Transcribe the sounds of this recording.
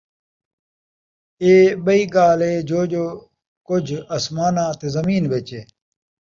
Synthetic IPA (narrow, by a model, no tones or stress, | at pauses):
eːɓəiːɡaːleːd͡ʒoːʄoː | kʊd͡ʒʱɐsmaːnãːt̪ezɐmiːnʋeːt͡ɕeː